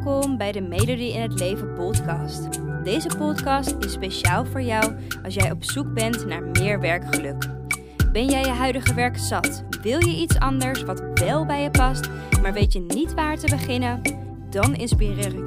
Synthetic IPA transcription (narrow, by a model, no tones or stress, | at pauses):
kɔmbɛjdəmejdodiɪnɦətlejvənpɔtkɑst | dejzəpɔtkɑstɪspejʃaːlˠvʊːɹjɑw | ɑlˠs̬jɛjɔpsuk̚bɛntna̰ːɹmɪːɹʋɛɹkχəlɵk | bɛnjɛjəɦœɥdəχəʋɛɹksɑt | ʋɪlˠjəʔitsɑndəɹsʋɑtʋɛlˠbɛjəpɑst | maːɹʋejtjənitʋaːɹtəbəχɪnən | dɑnɪnspirɪːr